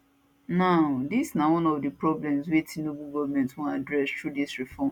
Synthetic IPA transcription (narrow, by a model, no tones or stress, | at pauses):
naʊdisnawɔ̃nɔvdɨpɹɔblɛ̃mzwetʰĩnobuɡɔvmɛ̃ntwɔ̃nadɹɛstɹudisɹifɔm